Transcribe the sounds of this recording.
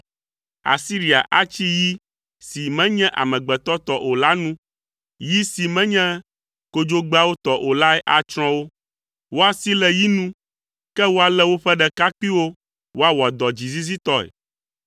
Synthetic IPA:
a̰˨si˦ɾi˨a̰˨ʔa˨t͡ɕi˦ji˦ | si˨mɛ̃˦ɲɛ̃˦ʔa̰˨mɛ̃˨ɡ͡bɛ˨t̪ɔ˦t̪ɔ˦ʔo˨la˦nũ˦ | ji˦si˨mɛ̃˦ɲɛ̃˦ | ko˦d͡ʒo˦ɡ͡ba˦wo˦t̪ɔ˨ʔo˨la˦ɛ˦ʔa˨t͡ʃɾ̃ɔ̃˦wo˦ | wo˦a˨si˦lɛ˦ji˦nũ˦ | kɛ˦wo˦a˨lɛ˦wo˦ɸɛ˦ɖɛ˨ka˦k͡pi˦wo˦ | wo˦a˦wa˨d̪ɔ˨d͡ʒi˨zi˦zi˦t̪ɔ˦ɛ̰˨

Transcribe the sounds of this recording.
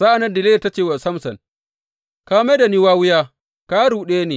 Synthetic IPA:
sa˦ʔa˨nɐ˦ndɪ˨le˦˨ta˦t͡ʃeː˨wa˨sɐ˦msɐ˨n | kaː˦meː˦da˨ni˦waː˦wʊ˦jaː˦ | ka˦ɽuː˨ɗeː˦neː˨

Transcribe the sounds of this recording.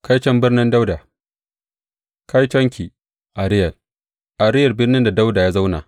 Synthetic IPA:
ka˦jt͡ʃɐ˦mbɪ˦rnɪ˦nda˦wda˨ | ka˦jt͡ʃɐ˦ŋkʲi˨ | ʔa˨ɾɪ˦jɐ˨l | ʔa˨ɾɪ˦jɐ˨rbɪ˦rnɪ˦nda˨da˦wdaː˨jaː˦za˦wna̰ː˨

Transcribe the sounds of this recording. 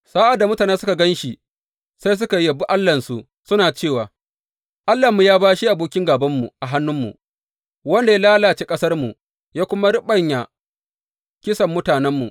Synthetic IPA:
saː˦ʔa˨da˨mʊ˦taː˨naː˦sʊ˦ka˨ɡɐ˦nʃi˨ | sa˦js̬ʊ˦ka˨jjɐ˨bu˦ʔa˦lːɐ˨nsu˨ | sʊ˦naː˨t͡ʃeː˦˨waː˨ | ʔa˦lːa˨mːu˨jaː˦baː˦ʃi˦ʔa˨boː˨kʲɪ˦ŋɡaː˨bɐ˦mːṵ˨ʔa˨ɦa˦nːʊ˦mːṵ˨ | wɐ˦nda˨ja˦laː˦laː˨t͡ʃeː˦kʼɐ˦sɐ˦rmu˨ | jaː˦kʷʊ˦ma˦ɽɪ˦ɓɐ˦ɲja˨ | kʲɪ˦sɐ˨mːʊ˦taː˨nɛ˦mːu˨

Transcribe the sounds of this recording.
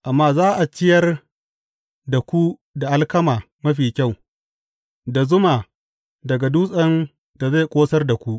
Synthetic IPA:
ʔa˨mːaː˦zaː˦ʔa˨t͡ʃɪ˦jɐ˦r | da˨kʷu˦da˨ʔa˦lkɐ˦maː˨ | mɐ˦ɸiː˨kʲa˦˨w | da˨zʊ˦maː˨ | dɐ˨ɡa˨duː˦sʼɐ˦n | da˨za˦˨jkʷʼoː˦sɐ˦rda˨kʷu˦ʔ

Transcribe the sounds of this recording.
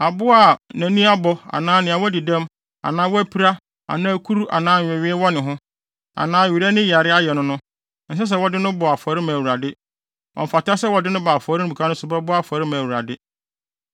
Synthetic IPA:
a˨bʊ˦a˨nã˨nĩ˦a˦bɔ˦a̰˨nãː˦nɪ̃˨ã˨wɔ˦di˨dã˦m | a̰˨nãː˦wɔ˦æ˦pʰi˦ɾa˦ | a̰˨nãː˦kʰu˦ɾu˦ʔa̰˨nãː˦ɲ̩ᶣ˨ɛ˨ɥɪ˦ɛ˦wɔ˦nɪ̃˨ɦʊ̃˦ | a̰˨nãː˦˨ɥi˨ɾɛ˦nɪ̃˦ji˨a˨ɾɪ˦a˦jɛ˨nʊ̃˦nʊ̃˦ | n̩˨s̬ɛ˦s̬ɛ˦˨wɔ˦dɪ˦nʊ̃˦bɔ˨a˨fɔ˨ɾɪ˦mã˨wu˨ɾa˨dɪ˦ | ʔɔ̰˨m̩˨fa˨ta˦sɛ˦wɔ˨dɪ˦nʊ̃˦ba˨fɔ˨˦ɾɪ˦ñ˦bu˨kʰa˦nʊ̃˦sʊ˨bɛ˦bʊ˦a˨fɔ˨ɾɪ˦mãː˨wu˨ɾa̰˨dɪ˦

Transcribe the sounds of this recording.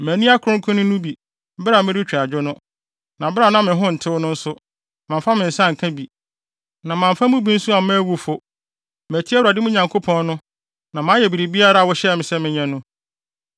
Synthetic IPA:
mæ̃˨nĩ˦a˦kʰʊ˨ɾʊ̃˦ŋkʰʊ̃˦nʊ̃˦nʊ̃˦bi˨ | bɾa˨mɪ̃˦ɾɪ˦t͡ɕᶣa˨d͡ʑᶣʊ˦nʊ̃˦ | nã˨bɾa˨nã˦mɪ̃˨ɦʊ̃˦n̩˨tʰɪ˦wʊ˦nʊ̃˦n̩˦sʊ˦ | mã˨m˨fa˦mɪ̃˨n̩˨sã˦˨ŋ̩˨kʰã˦bi˨ | nã˨mã˨ɱ˨fa˦mũ˦bĩ˦n̩˦sũ˦a˨mɛ̃˦wu˦fʊ˦ | m˨æ˨tʰi˦ɛ˦wa˨dɪ˦mʊ̃˦ɲã˨ŋkʰo˦pʰɔ̃˦n˦nʊ̃˦ | nã˨mãː˨˦jɛ˨bi˨ɾi˨bi˦a˦ɾa˦˨wɔ˦ɕɛ˦ɛ˨mɪ̃˨sɛ˦mɪ̃˨ɲɛ̃˦nʊ̃˦

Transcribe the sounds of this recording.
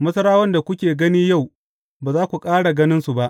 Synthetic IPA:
mɐ˦sɐ˦ɾaː˦wɐ˦nda˨kʷʊ˦kʲeː˨ɡɐ˦niː˦ja˦˨w | baː˨zaː˦kʷu˨kʼaː˦ɽa˨ɡɐ˦nɪ˦nsu˨ba˦ʔ

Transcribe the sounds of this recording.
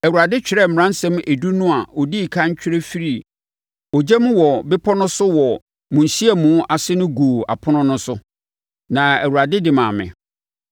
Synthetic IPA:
æ˨wu˨ɾa˨dɪ˦t͡ɕᶣɪ˨ɾɛ˦m̩˨ɾã˦n˦sɛ̃˦me˨du˦nʊ̃˦a˨ɔ˨di˦˨kʰã˦ɲ˦t͡ɕᶣɪ˦ɾe˦fi˦ɾi˦˨ | ɔ˨d͡ʑɛ˦mũ˦wɔ˨bɪ˦pʰɔ˦nʊ̃˦sʊ˦wɔ˨ | mũ˨n̩˨si˦ɛ˨mũ˨˦ʔa˨sɪ˦nʊ̃˦ɡoː˨a̰˨pʰʊ˦nʊ̃˦nʊ̃˦sʊ˦ | nã˨æ˨wu˨ɾa˨dɪ˦dɪ˨mãː˨mɪ̰̃˨

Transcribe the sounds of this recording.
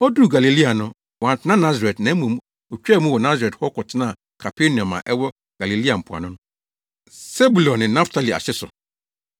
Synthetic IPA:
ɔ˦du˦˨ɡa˨li˨li˦a˨nʊ̃˦ | wɔ˨ã˨n˨tʰɪ˨nã˦nã˦za˨ɾɛ˨tnã˨˦mũ˨m˦ | o˨t͡ɕᶣɛ˦˨mũ˦wɔ˨nã˦za˨ɾɛ˨thɔ˦kɔ˨tʰɪ˦nã˦˨ | kʰa˨pʰe˦nĩ˨ɔ̃˨mã̰˨ʔɛ˦wɔ˦ | ɡ̥a˨li˨li˦a˨m̩˨pʰʊ˨a̰˨nʊ̃˦nʊ̃˦ | se˦bu˨lɔ̃˨nːɪ̃˨nã˦ftʰa˨li˨a̰˨ɕɪ˦sʊ̰˨

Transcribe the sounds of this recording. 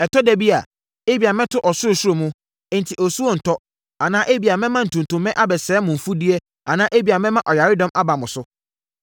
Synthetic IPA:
ɛ˨tʰɔ˦dæ˨bi˦a̰˨ | e˦bi˨a˨mɛ̃˦tʰʊ˦ʔɔ˨sʊ˦o˨su˦ɾo˨mũ˦ | e˦n˨tʰi˨ʔɔ˨su˦o˦n̩˨tʰɔ˦ | a˨nãː˦ʔe˦bi˨a˨mɛ̃˦mã˦n̩˨tʰũ˨n˨tʰʊ̃˨mːɛ̃˦ʔa˦bɛ˨sɛː˨˦mʊ̃˨m̩˨fu˦di˦e˦ | a˨nãː˦ʔe˦bi˨a˨mɛ̃˦mã˦ʔɔ˨ja˨ɾɪ˦dɔ̃˦mʔa˦ba˨mʊ̃˨sʊ˦

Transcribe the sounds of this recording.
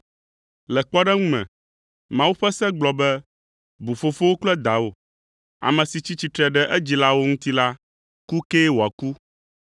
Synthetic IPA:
lɛ˨k͡pɔ˦ɖɛ˦ŋũ˦mɛ̰̃˨ | mã˨˦wu˦ɸɛ˦sɛ˦ɡ͡blɔ˨bɛ˦ | bu˨fo˨fo˦wo˦k͡plɛ˦d̪a˨wo˨ | a̰˨mɛ̃˨si˨t͡ɕi˦t͡ɕi˦t̪ɾɛ˨ɖɛ˦ʔɛ˦d͡ʑi˨la˦wo˦ŋũ˦t̪i˦la˦ | ku˦keː˦wo˨a˨ku˦

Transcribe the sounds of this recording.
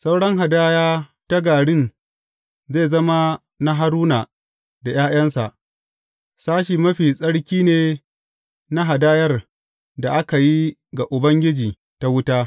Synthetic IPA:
sa˦wɽɐ˦ŋɦa˨daː˦jaː˦ta˦ɡaː˨ɽɪ˦n | zeː˦˨zɐ˦ma˦ | na˦ɦa˦ɾuː˦na˨ | da˨jaː˦j̰ɐ˦nsa̰˨ʔ | saː˦ʃ̬iː˨mɐ˦ɸiː˨sʼɐ˦ɽkʲiː˦neː˨ | na˦ɦa˨daː˦jɐ˦r | da˨ʔa˦ka˨ji˦ɡa˨ʔʊ˨bɐ˦ŋɡʲɪ˦d͡ʒiː˨ | ta˦wʊ˦taː˦

